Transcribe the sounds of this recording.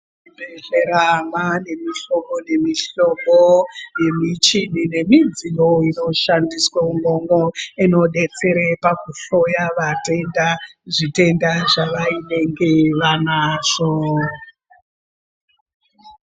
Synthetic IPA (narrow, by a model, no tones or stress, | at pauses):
ibeɮeɾamane̞miɬo̞mone̞miɬo̞moje̞mit͡ʃinine̞mind͡zinoino̞ʃandiswauŋoŋoino̞ɗe̞t͡se̞ɾepakuɬo̞jaʋate̞ndaʐite̞ndaʐaʋaine̞ŋɡe̞ʋanaːʐ̥o